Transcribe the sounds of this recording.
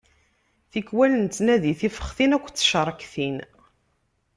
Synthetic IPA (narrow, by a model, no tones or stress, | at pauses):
θikwælənt̪næðiθifə̥χθinækʷːt͡sːə̥ʃɾˤəkθin